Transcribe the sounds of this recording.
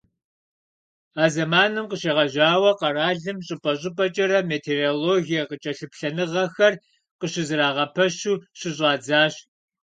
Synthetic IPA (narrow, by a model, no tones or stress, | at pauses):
aːzɐmaːnɨmqəɕeːʁɐʒaːwɐqɐraːɮɨmɕʼɪpʼɐɕʼɪpʼɐt͡ʃʼɐɾɐmeːtʰeːroːloːɣijɐqət͡ʃʼɐɬɨpɬɐnɨʁɐxɐr | qəɕɪzɨɾaːʁɐpʰɐɕuːɕɪɕʷʼɑːd͡zaːɕ